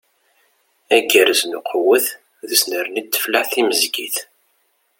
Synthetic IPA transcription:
æɡəɾəznuqʰəwəθ | ðəsnəɾnit̪ːə̥flaħθiməzɡiθ

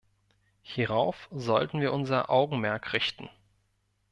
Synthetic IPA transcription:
hiʁaʊfzɔltn̩viːɐʔʊnzɐʔa̰ʊɡŋ̩mɛɐkʁɪçtn̩

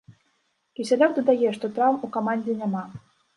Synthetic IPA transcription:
kʲisʲalʲɔk̚d̪ɐd̪ajɛʂt̪ɔt̪ɾawmukamanʲd͡zʲɪnʲama

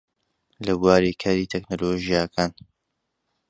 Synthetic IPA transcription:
lɐbuaːɾikʰaːɾiːt̪ʰeknoːloʒijakʰaːn

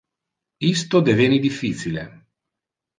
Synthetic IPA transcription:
ist̪od̪evenid̪ifːiːt͡ʃile

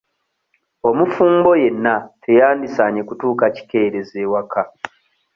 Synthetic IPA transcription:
o̞mufuːmbo̞je̞nːatʰe̞jaːndisaɲe̞kutuːkaci̥ke̞ːɾe̞zewakʰa

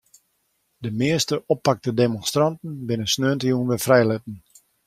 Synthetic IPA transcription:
dəmɪəstəʔɔpːak̚tədemɔnstrɑntn̩bɪnəsnøəntəjunʋɛfrɛjlɛt̚ən̩

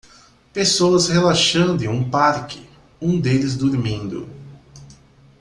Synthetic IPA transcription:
pesoɐshelaʃɐ̃nd̪ʊɪ̃ũpaɾkɪ̥ | ũd̪elɪzd̪uɾmĩnd̪ʊ̰

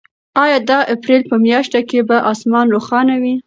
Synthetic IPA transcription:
ɑjɑd̪ɑʔapɾelpəmjɑʃt̪akebaʔɑsmɑnɾoxɑnawi

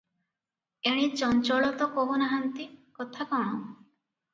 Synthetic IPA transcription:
eɽ̃it͡ʃɔnt͡ʃɔɭɔt̪ɔkoɦunaɦant̪ikɔt̪ʰakɔɽ̃ɔ

